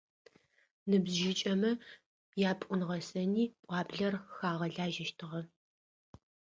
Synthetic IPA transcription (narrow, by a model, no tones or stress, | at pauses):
nɨbzʒɪt͡ʃʼɐmɐ | jaːpʷʼʊnʁɐsɐniːpʷʼɑːbɮɐrxaːʁɐɮaːʒɐʃtʰɨʁɐ